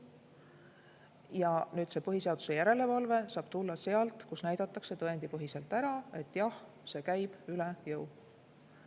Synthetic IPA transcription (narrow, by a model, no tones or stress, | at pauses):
jɑnyːd̪se̞ːpɤɦise̞ɑd̪̥u̥se̞jæɾe̞le̞vɑlve̞sɑːb̥t̪ulːɑse̞ɑlt̪ˑkusnæjd̪̥ɑt̪ːˑɑkse̞t̪ɤend̪ipɤɦise̞lt̪ːˑæɾɑe̞t̪ːˑjɑh | se̞ːkæjb̥ylejɤw